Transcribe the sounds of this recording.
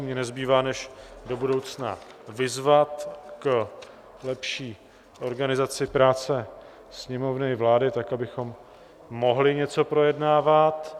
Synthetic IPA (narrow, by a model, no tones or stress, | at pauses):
mɲɛnɛzbiːvaːnɛʃdo̞budo̞wt͡sna̰vɪzvat̪k | lɛpʃiː | ʔo̞ɾɡanɪzat͡sɪpɾaːt͡sɛ | sɲɛmo̞vnɪvlaːdɪt̪akabɪxo̞mː | o̞ɦlɪɲɛt͡so̞pɾo̞jɛdnaːvat̪